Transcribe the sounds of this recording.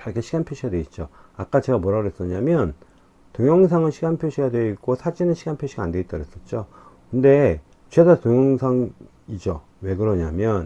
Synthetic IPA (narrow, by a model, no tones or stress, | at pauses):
t͡ɕaɾkʰeɕʰiɡanpʰjoɕʰiɡadwe̞it̚t͡ɕ͈oak͈at͡ɕeɡamoɾaɾes͈ʌɲamjʌn | toŋjʌŋs̬ʰaŋɯɕʰiɡanpʰjoɕʰijadwe̞ik͈osʰad͡ʑinɯnɕʰiɡanpʰjoɕʰiɡande̞it͈ʌɾes͈ʌt̚t͡ɕ͈o | kɯnde̞ | t͡ɕedatoŋjʌŋsʰaŋ | id͡ʑo | we̞ɡɯɾʌɲamjʌn